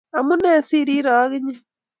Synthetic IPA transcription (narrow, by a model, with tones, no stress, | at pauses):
a˨mu˦ne˦˨si˦ɾi˦ɾa˨a˦ɣi˦ɲe˦